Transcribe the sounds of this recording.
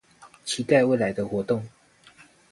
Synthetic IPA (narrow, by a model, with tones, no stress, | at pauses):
t͡ɕʰi˧˥t̪a˥˧ɪwe˥˩ɪla˨˦ɪd̪ə˧xwɔ˧˥t̪o˥˨ŋ